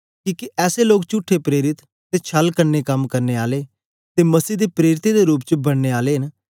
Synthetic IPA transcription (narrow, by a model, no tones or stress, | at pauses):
kiːkiʔɛːseːloːk̚t͡ʃʊʈʰːeːpɾeːɾɪt̪ːeːt͡ʃʰəlkəɾneːkəmkəɾneːaːleː | t̪eːməsiːd̪eːpɾeːɾɪt̪ed̪eːɾuːpt͡ʃəbəɽ̃neːaːleːɦən